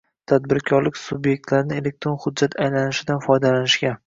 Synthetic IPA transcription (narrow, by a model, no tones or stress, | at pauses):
t̪ʰad̪bɪɾkʰʲɒɾlɪkʲsʊbje̞k̚ʲt̪laɾɪnɪe̞le̞k̚ʲt̪ɾo̞nχʊd̪d͡ʒːat̪ajlanɪʃɪd̪anfɒjd̪alanɪʃkʲa